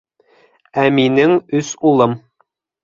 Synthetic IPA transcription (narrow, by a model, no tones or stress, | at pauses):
æminɘŋɵsulˠɤm